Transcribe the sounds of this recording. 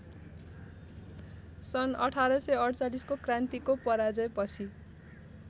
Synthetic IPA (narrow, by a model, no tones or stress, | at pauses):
sʌnʌ̰ʈʰaɾʌsʌʌɽt͡saliskokrant̪ikopʌɾad͡zʌjpʌt͡sʰi